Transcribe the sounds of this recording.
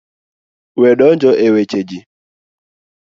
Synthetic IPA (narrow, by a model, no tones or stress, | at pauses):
weɗɔnd͡ʒɔʔewet͡ʃed͡ʒi